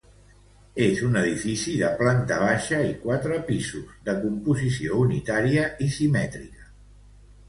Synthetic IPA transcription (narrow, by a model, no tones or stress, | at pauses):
ezunəðifisiðəplant̪əβ̞aʃəikwat̪ɾəpizuzðəkumpuzisiounit̪aɾiəisimɛt̪ɾikə̥